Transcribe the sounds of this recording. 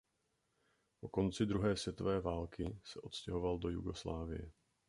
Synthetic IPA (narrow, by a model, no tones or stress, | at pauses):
po̞ko̞nt͡sɪd̪ɾuɦɛːsvjɛt̪o̞vɛːvaːlkɪsɛʔo̞t̪scɛɦo̞valdo̞jṵɡo̞sla̰ːvɪ̰jɛ